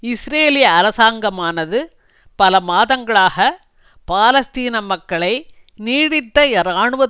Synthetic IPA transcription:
ɪsɾeːlɪjɐɐɾɐsaːŋɡɐmaːnɐðɯ | pɐlɐmaːðɐŋɡɐɭaːɣɐ | paːlɐst̪iːnɐmɐkːɐɭɐɪ | niːɽɪt̪ːɐɛɾaːɳɯʋɐ

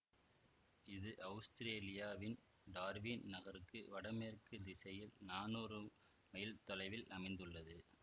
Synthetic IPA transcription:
ɪðɯʔɐʋst̪ɪɾeːlɪjaːʋɪn | ɖaːɾʋinnɐɣɐɾɯkːɯʋɐɽɐmeːɾkːɯd̪ɪsɐjɪlnaːnoːɾɯ | mɐjɪlt̪ɔlɐɪʋɪlɐmɐɪnd̪ɯɭːɐðɯ

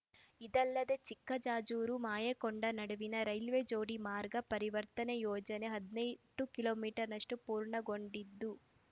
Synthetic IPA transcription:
id̪ɐlːɐd̪e̞t͡ʃikːɐd͡ʒaːd͡ʒuːɾumaːjɐkoɳɖɐnɐɽuʋinɐɾɐjlʋed͡ʒoːɽimaːɾɡɐpɐɾiʋɐɾt̪ɐnejɔːd͡ʒɐne̞ɦɐd̪nɐjʈːukiloːmiːʈɐɾnɐʂʈupuːɾɳɐɡo̞ɳɖid̪ːu

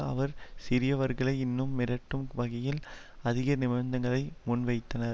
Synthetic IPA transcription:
ɐʋɐɾsɪɾɪjɐʋɐɾɣɐɭɐɪɪnːɯmːɪɾɐʈːɯmʋɐɣɐjɪlɐðɪɣɐnɪmɐɾnd̪ɐŋɡɐɭɐɪmʊnʋɐɪt̪ːɐnɐɾ

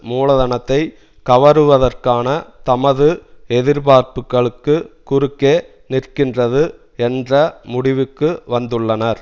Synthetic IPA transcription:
muːlɐðɐnɐt̪ːɐɪ | kɐʋɐɾɯʋɐðɐrkaːnɐt̪ɐmɐðɯɛðɪɾbaːɾpɯkːɐɭɯkːɯkːʊɾɯkːeː | nɪrkɪndrɐðɯ | ɛndrɐmʊɽɪʋɯkːɯʋɐnd̪ɯɭːɐnɐɾ

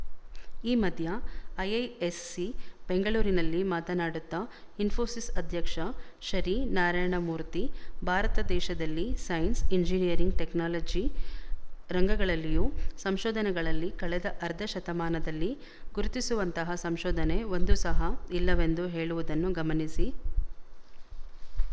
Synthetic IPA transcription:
iːmɐd̪ʱjɐɐjɐjesːibe̞ŋɡɐɭuːɾinɐlːimaːt̪ɐnaːɽut̪ːɐinfʰoːsisɐd̪ʱjɐkʂɐʃɐɾinaːɾaːjɳɐmuːɾt̪ibʱaːɾɐt̪ɐd̪ɛːʃɐd̪ɐlːisɐjɐnsiɲd͡ʒinijɐɾiŋɡʈeknaːlɐd͡ʒi | ɾɐŋɡɐɡɐɭɐlːijuːsɐmʃɔːd̪ɐnɛɡɐɭɐlːikɐɭɛd̪ɐʔɐɾd̪ʱɐʃɐt̪ɐmaːnɐd̪ɐlːi | ɡ̥uɾut̪isuʋɐnt̪ɐɦɐsɐmʃɔːd̪ʱɐneo̞nd̪usɐɦɐilːɐʋe̞nd̪uɦe̞ːɭuʋud̪ɐnːuɡɐmɐnisi

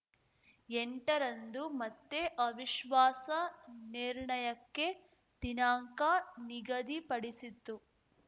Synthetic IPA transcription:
eɳʈɐɾɐnd̪umɐt̪ːeʔɐʋiʃʋaːsɐniɾɳɐjɐkːe̞ | d̪̥inaːŋkaniɡɐd̪ipɐɽisit̪ːu

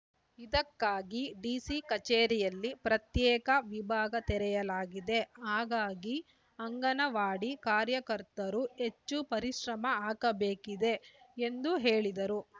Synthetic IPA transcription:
id̪ɐkːaːɡiɖiːsikɐt͡ʃeːɾijɐlːipɾɐt̪jɛːkɐʋibʱaːɡɐt̪ɛɾɛjɐlaːɡid̪e̞aːɡaːɡi | ɐŋɡɐnɐʋaːɽikaːɾjɐkɐɾt̪ɐɾue̞t͡ʃːupɐɾiʃɾɐmɐaːkɐbeːkid̪e̞end̪uɦeːɭid̪ɐɾu

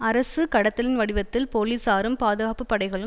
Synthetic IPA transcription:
ɐɾɐsɯkɐɽɐt̪ːɐlɪnʋɐɽɪʋɐt̪ːɪlpoːliːsaːɾɯmpaːðɯɣaːpɯpːɐɽɐɪɣɐɭɯ

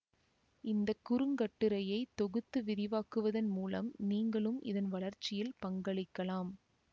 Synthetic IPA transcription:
ɪnd̪ɐkːʊɾɯŋɡɐʈːɯɾɐjɐɪt̪ːɔɣɯt̪ːɯʋɪðɪʋaːkɯʋɐðɐnmuːlɐ̰mniːŋɡɐɭɯmʔɪ̰ðɐnʋɐɭɐɾt͡ʃːɪjɪlpɐŋɡɐɭɪkːɐlaːm

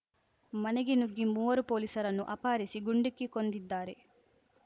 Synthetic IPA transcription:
mɐneɡinuɡːimuːʋɐɾupo̞ːlisɐɾɐnːuʔɐpaːɾisiɡuɳɖikːiko̞nd̪id̪ːaːɾe̞

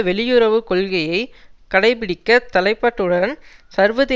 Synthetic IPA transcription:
ʋɛɭɪjɯɾɐʋɯkɔɭɣɐjɐɪkɐɽɐɪp̬ɪɽɪkːɐt̪ɐlɐɪpːɐːʈːɯɽɐnsɐɾʋɐðe

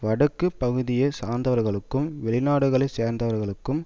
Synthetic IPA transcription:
ʋɐɽɐkːɯpːɐɣɯðɪjɐsaːnd̪ɐʋɐɾɣɐɭɯkːɯmʋɛɭɪnaːɽɯɣɐɭɐɪseːɾnd̪ɐʋɐɾɣɐɭɯkːɯm

